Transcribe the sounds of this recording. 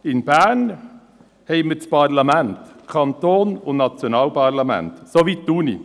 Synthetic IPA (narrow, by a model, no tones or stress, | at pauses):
ɪnb̥æːn | hɛɪməspʰɑɾlɑmɛnt̪kʰɑnt̪oːnʊnnɑt͡sjonɑːlpʰɑʁlɑmɛ̰nt̪soʋit̚d̥̪uːnḭ